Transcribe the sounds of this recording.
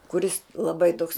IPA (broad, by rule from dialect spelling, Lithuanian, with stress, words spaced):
kʊˈrʲɪs lˠɐˈbɐɪ toːks